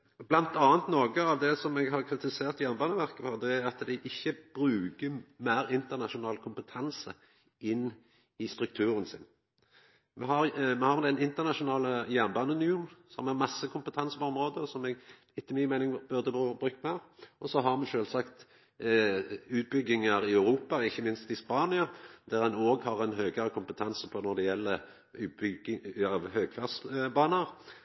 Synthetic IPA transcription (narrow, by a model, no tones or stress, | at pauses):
blɑnt̪ɑːənt̪noːɡəɑʋd̪ɛsɔmɛɡɦɑʁkʰɾɪt̪ɪseːʁt̪jæʁnbɑːnəʋæʁkəfɔd̪ɛæɾɑt̪d̪æɪʔɪçːəb̥ɾʉːkəmæɪɾɪnt̪əʁnɑʃʊnɑːlkʰʊmpət̪ʰɑnsə̰ | ʔɪnː | ɪst̪ɾʉk̚t̪ʰʉːɾənsɪ̰n | mɛɦɑɾmɛhɑʁmd̪ɛnɪnt̪əʁnɑʃʊnɑːləjæʁnbɑːnənjunsɔmæʁmɑsːəkʰʊmpət̪ʰɑnsəpɔɔmʁoːd̪əsɔmɛɡ | ɪt̪ːəmɪmæɪnɪŋbʉʁd̪əbbʁʉːkːəmæɑʁʔɔsɔɦɑʁmɛʃøːlsɑkt̪ | ʉːt̪̚bʏɡɪŋəɾɪœʉɾuːpɑɪçːəmɪnst̪ɪspɑːnɪɑd̪̥æʁɛnoːɡhɑʁɛnɦøːɡəɾəkʰʊmpət̪ʰɑnsəpʰɔnɔɾd̪ɛɛlːə | ɑʋhøːɡfæsbɑːnəʁ